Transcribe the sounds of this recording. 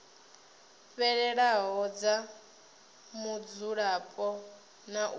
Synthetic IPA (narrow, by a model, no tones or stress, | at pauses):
ɸɛɺɛɺaɦɔd͡za | mud͡zuɺapʼɔ | naʔ